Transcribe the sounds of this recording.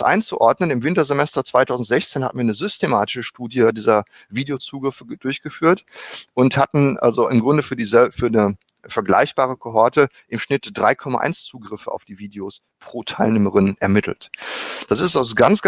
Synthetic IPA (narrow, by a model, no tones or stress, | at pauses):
sʔa̰ɪnt͡suʔɔɐdnənɪmvɪntɐzemɛstɐt͡sv̥aɪtʰaʊzn̩tz̥ɛçt͡seːnhatm̩viːɐnəzʏstemaːtɪ̥ʃəʃtuːdjədiːzɐ | viːdeot͡suːɡʁɪfəd̥ʊɐçɡ̥əfyːɐtʔʊnthatn̩ʔa̰lzoʔɪmɡʁʊndəfyːɐdiːzɛfyːɐnə | fɛɐɡla̰ɪçb̥aːʁ̞əkʰoɦɔɐtə | ʔɪmʃnɪtd̥ʁaɪkʰɔma̰ʔa̰ɪnst͡suːɡʁɪfəa̰ʊfd̥iːviːdeos | pʁ̥oːtʰaɪlneːməʁɪnʔɛ̰ɐmɪtʰl̩td̥asɪstaʊsɡ̥ant͡sɡ̥